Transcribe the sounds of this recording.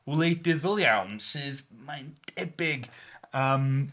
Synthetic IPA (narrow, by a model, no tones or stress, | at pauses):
lˠejdɪðəlˠjawnsɨːðmand̥ɛbɪɡəːm